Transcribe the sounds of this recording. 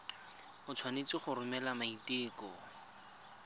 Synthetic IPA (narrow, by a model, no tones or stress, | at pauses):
ʊt͡sʰwanet͡sɪχʊrʊmɛlamaitɪːkɔ